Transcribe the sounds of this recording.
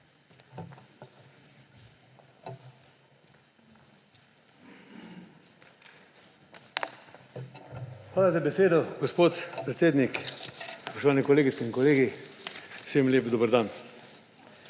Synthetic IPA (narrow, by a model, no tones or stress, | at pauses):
xʋaːlazabɛseːd̪ɔɡɔspoːt̪pɾɛt̪seːd̪nikspɔ̥ʃt̪ɔʋaːnɛkɔleːɡit̪sɛinkɔleːɡi | seːmljeːpd̪obəɾd̪an